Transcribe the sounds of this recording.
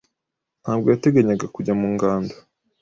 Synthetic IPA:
n̥haːbɡo̞jate̞ɡaɲaɡakuɟamuːŋɡaːndo̥

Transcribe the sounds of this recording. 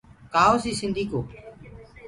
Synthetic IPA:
kaːoːsiːsɪ̃nd̪ʱiːkoː

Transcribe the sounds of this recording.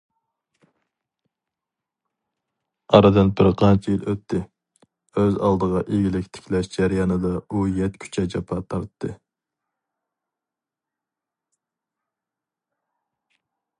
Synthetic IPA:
ɑɾɨd̪ɨnbɪɾqʰɑnt͡ʃʰijiløt̪ʰːɪ | øzɑ̰lˠd̪əʁɑʔeɡʲilɪkʲt̪ʰɪ̥kʲʰlɛʃd͡ʒɛɾjɑnɨd̪ɑujɛt̪kʲʰy̥t͡ʃʰɛd͡ʒɑpʰɑt̪ʰɑɾt̪ʰːɨ

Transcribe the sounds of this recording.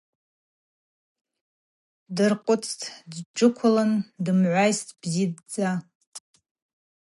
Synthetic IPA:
dɨrqʷʼʊt͡sʰtʰdd͡ʒɨkʷʰʊlɨndɨmʕʷajstʰʼb̥zidd͡za

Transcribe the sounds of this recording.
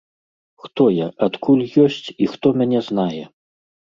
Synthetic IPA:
xt̪ɔjaʔat̪kʰulʲjɔsʲt͡sʲixt̪ɔmʲanʲɛznajɛ

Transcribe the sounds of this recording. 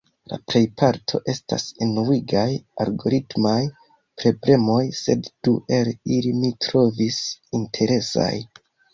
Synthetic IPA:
la̰pɾe̞jpʰaɾtʰo̞̰ʔe̞sta̰senuwiɡajalɡo̞ɾitmaj | pɾo̞ble̞mo̞jse̞dd̥uʔe̞lilimitɾo̞visintʰe̞ɾe̞sa̰j

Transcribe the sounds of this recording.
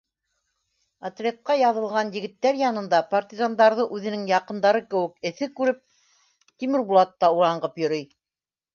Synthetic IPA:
ɐt̪lʲet̪̚qɑjɑðɤ̆lˠʁɑnjɘ̆ɡɘ̆t̪ːæɾjɑnɤ̆nd̪ɑpɐrt̪ʲizand̪ɑɾðɤʔʉðɘ̆nɘŋjɑqɤ̆nd̪ɑɾɤkɘ̆wɘ̆k̚ɘ̆θɘkʉɾɘp̚ | t̪imɘ̆ɾbulˠɑt̪ːɑuɾɑɴɢɤpjɵ̆ɾɤj

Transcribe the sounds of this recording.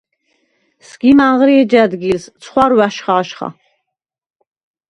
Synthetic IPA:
sɡ̥imaʁɾiɛd͡ʒad̪ɡilst̪sʰχwaɾwæʃχaːʃχa̰

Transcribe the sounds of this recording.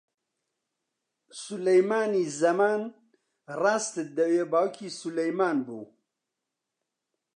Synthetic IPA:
sulɐjmaːniːzɐmaːn | raːst̪ɨd̪ɐweːbaːwkʰiːsulɐjmaːnbṵː

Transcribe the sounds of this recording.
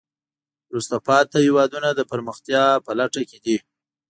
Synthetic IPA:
ɾust̪apɑt̪ːahɪwɑd̪unad̪əpəɾməxt̪jɑpəlaʈaked̪i

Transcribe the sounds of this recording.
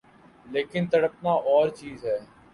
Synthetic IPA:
leːkɪnt̪əɽəp̚naːʔɔːɾt͡ʃiːzɦɛː

